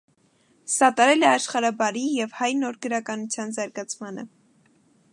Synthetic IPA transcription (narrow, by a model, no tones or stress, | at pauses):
sɑt̪ɑɾɛlɛɑʃχɑɾɑbɑɾijɛvhɑjnɔɾɡəɾɑkɑnut͡sʰjɑnzɑɾɡɑt͡sʰmɑnə̰